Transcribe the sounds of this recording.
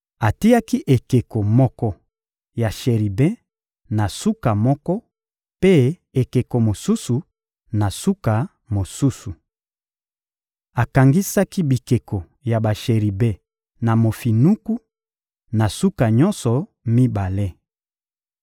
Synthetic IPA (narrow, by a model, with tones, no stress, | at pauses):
a˨ti˦ja˦ki˦ʔe˨ke˨ko˨mɔ˦kɔ˦ | ja˨ʃe˨ʁi˨bɛ̃˦ | na˨su˦ka˨mɔ˦kɔ˦ | pe˦ | e˨ke˨ko˨mo˨su˦su˨ | na˨su˦ka˨ | mo˨su˦su˨ | a˨ka˨ŋɡi˦sa˦ki˦bi˨ke˨ko˨ | ja˨ba˨ʃe˨ʁi˨bɛ̃˦ | na˨mo˨fi˨nu˦ku˦ | na˨su˦ka˨ɲɔ˦nsɔ˨ | mi˦ba˨le˦